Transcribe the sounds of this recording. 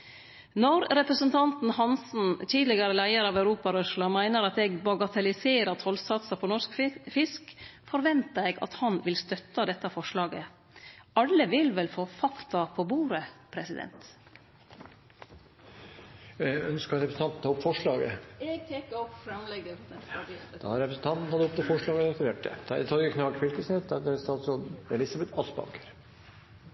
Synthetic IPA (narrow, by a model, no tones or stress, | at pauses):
nɔɾɾɛpɾəsənt̪ʰɑnt̪n̩hɑnsn̩t̪ʰiːd̪lɪɡəɾəlæɪəɾɑːʋæʉɾuːpɑɾœʂlɑmæɪnəɾɑt̪eːɡbɑɡɑt̪ʰɛlɪseːɾəɾt̪ʰɔlsɑt̪sɑpʰɔnɔʂkfɪskfɔɾʋɛnt̪əeːɡɑ̰t̪hɑnʋɪlst̪œt̪ːɑd̪ɛt̪ːɑfɔʂɭɑːɡə | ɑlːəʋɪlʋɛlfoːfɑkt̪ɑpʰoːbuːɾəpʰɾɛsɪd̪ɛ̰nt̪ | œnskɑɾɾɛpɾsn̩t̪ɑnt̪n̩t̪ʰɑɔpfɔʂɭɑːɡə̰ɛɡ̚t̪ʰɛkːɔpːfɾɑmlɛɡə | d̪̥ɑhɑɾɛpɾəsn̩t̪ʰɑnt̪n̩hɑd̪ɔpt̪ːəfɔʂɭɑːɡəɾɑt̪əʋ̪eːʈ̚d̪ɛ̰d̪̥ɑ̰t̪ʰɔɡəkʰnɑːɡfɪɾkəset̪d̪ɑd̪ɛsɑlsɔɛlɪsɑbɛt̪ʰɑsbɑ̰ŋkʰəɾ